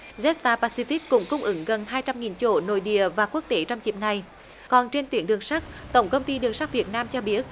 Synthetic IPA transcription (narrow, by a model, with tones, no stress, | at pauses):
zɛ˦˥t̚t̪aː˧paː˧si˧fi˦˥k̚kʊ̰˧˥ŋ͡mkʊ˧wŋ͡mʔɨ˧˦ŋɣə˨˩nɦaː˧jt͡ɕa˧mŋi˨˩nt͡ɕo̰˧˥no̰˧˨jɗḭ˧˨əvaː˨˩ku˦˥ək̚t̪e˨˦t͡ɕɔ˧wŋ͡mt͡ɕi˨˩əp̚na˨˩j | kɔ˨˩nt͡ɕe˧nt̪wḭ˨˦ənɗɨ˨˩əŋsa˦˥k̚t̪ə˧˩wŋ͡mkə˧wŋ͡mt̪i˧ɗɨ˨˩əŋsa˦˥k̚vi˨˩ət̚naː˧mt͡ɕɔ˧ɓi˦˥ət̚